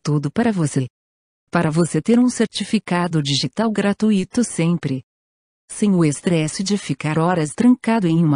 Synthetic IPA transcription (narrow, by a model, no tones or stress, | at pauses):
t̪ud̪ʊpaɾɐvose | paɾɐvoset̪eɾũseɾt͡ʃifikad̪ʊd͡ʒiʒit̪awɡɾat̪uit̪ʊsẽpɾɪ | sẽj̃ʊest̪ɾɛsɪd͡ʒɪfikaɾɔɾɐst̪ɾɐ̃ŋkad̪ʊẽj̃m